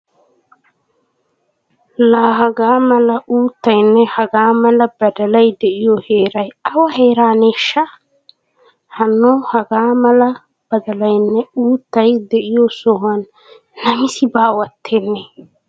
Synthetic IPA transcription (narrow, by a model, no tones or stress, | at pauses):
laːɦɐɡaːmɐlɐʔuːt̪ːɐjnːɛhɐɡaːmɐlɐbɐd̪ɐlɐjd̪ɛʔɪjɔheːɾɐjɐwɐheːɾaːneːʃːɐ | hɐnːohɐɡaːmɐlɐ | b̥ɐd̪ɐlɐjnːɛuːt̪ːɐjd̪ɛʔɪjɔsɔɦɐnː | ɐmɪsɪbaːwɐt̪ːeːnːɛ